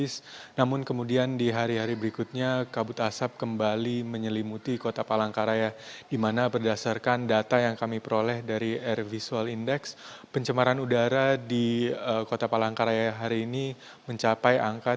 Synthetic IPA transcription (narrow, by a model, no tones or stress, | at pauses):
ɪsnamʊnkəmudiandiɦaɾiɦaɾibəɾikʊt̪̚ɲakabʊt̪asap̚kəmbaliməɲəlimut̪ikot̪apalaŋkaɾajadimanabərdasarkandat̪ajaŋkamipəɾolɛhdaɾiɛrvisualindɛkspəɲt͡ʃəmaɾanudaɾadiəkot̪apalaŋkaɾajaɦaɾiːni | məɲt͡ʃapajaŋkat̚